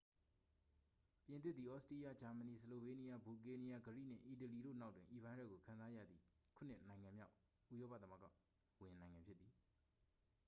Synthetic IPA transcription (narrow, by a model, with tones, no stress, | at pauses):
pjɪ̃˨nt̪̬ɪ˦t̪̚t̪ði˨ʔɔ˦ʔsti˦ja˦˨d͡ʑa˨mə˨ni˨səlo˨be˦ni˦ja˦bu˨ke˦ni˦ja˦ɡəɹḭ˦˨n̥ɪ̰̃˦˨ʔi˨t̬ə˨li˨ɾo̰˦˨na˦ʊtwɪ̃˨ʔi˨bã˦dɛ̰˦˨ɡo˨kʰã˨nza˦ja̰˦˨d̪ði˨kʰu˦˨n̥ɪ̰̃˦ʔnã˨ɪ̃ŋã˨mja̰˦ʊ | ṵ˦˨jɔ˦pa̰˦˨t̪ə˦mə˨ɡa̰˦˨ | wɪ̃˨nã˨ɪ̃ŋã˨mpʰjɪ˦t̪t̪ːi˨